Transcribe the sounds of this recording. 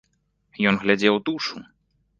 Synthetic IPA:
jɔnɣlʲad͡zʲɛwt̪uʂu

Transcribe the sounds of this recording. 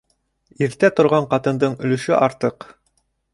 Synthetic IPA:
iɾt̪æt̪ŏɾʁɑɴqɑt̪ɤ̆nd̪ɤɴɵ̆lɵ̆ʃɵʔɑɾt̪ɤq

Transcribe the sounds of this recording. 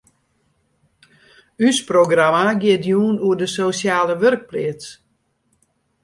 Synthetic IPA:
ysproɡramaɡɪətjuːnuədəsosjaːləʋørk̚plɪəts

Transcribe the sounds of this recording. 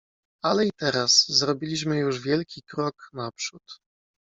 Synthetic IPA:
alɛit̪ɛɾaszɾɔbʲilʲiɕmɘjuʐvʲjɛlkʲikɾɔknapʂut̪

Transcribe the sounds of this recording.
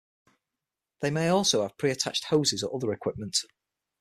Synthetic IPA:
ðeɪmeɪɔˑlˠsoʊəv̥pʰɹ̥iːətʰa̰t͡ʃthoʊzɪzəʔʊðəɹɪkʰw̥ɪp̚mə̃nt

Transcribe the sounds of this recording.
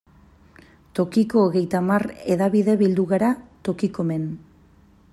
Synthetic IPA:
t̪o̞kiko̞ːɣe̞jt̪amare̞ðaβiðe̞βild̪uɣaɾat̪o̞kiko̞me̞n

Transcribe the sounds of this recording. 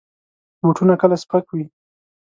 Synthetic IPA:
buʈunakəlaspakwi

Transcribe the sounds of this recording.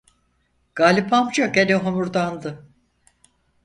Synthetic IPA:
ɡ̥aːlʲipʰamd͡ʒaɡeniɦomuɾd̪and̪ɯ

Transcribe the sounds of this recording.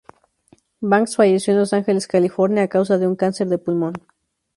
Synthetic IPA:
baŋksfaʝe̞sjo̞enlo̞saŋxe̞leskalifo̞ɾnjaːkaws̬aðeuŋkanse̞ɾðe̞pulmõ̞n

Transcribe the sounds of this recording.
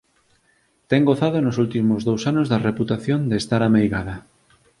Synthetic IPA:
t̪ɛŋɡoθað̞onosult̪imozðowsanozðɐareput̪aθjond̪est̪aɾamejɣaðɐ

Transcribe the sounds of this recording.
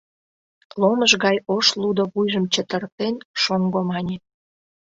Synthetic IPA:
loməʒɣɑjoʃlud̪oβujʒəmt͡ɕə̆t̪ərt̪enʃoŋɡomɑnʲet̪̚

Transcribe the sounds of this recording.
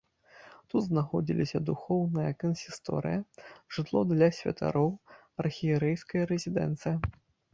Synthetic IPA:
t̪ut̪znaxɔd͡zʲḭlʲisʲɐd̪uxɔwnɨjɐkɐnsʲist̪ɔ̰ɾɨ̰jɐʐ̥ɨt̪lˠɔd̪lʲɐsʲvʲɐ̰t̪a̰ɾɔw | ɐrxʲijɛɾɛjskɐjɐɾɛzʲid̪ɛ̰nt̪sɨjɐ

